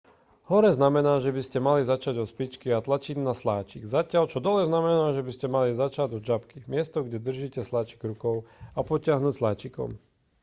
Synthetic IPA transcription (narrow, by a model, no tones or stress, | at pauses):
hɔɾɛznamɛnaːʒɛbiscɛmalizat͡ʃaɟɔspit͡ʃkiat̪lat͡ʃiɟnaslaːt͡ʃiɡzacɪalt͡ʃɔd̪ɔlɛznamɛnaːʒɛbiscɛmalizat͡ʃaɟɔd͡ʒapkimɪɛst̪ɔɡɟɛd̪r̩ʒiːcɛslaːt͡ʃi̥ɡɾukɔʊapɔcɪaɦnuːcslaːt͡ʃikɔ̰m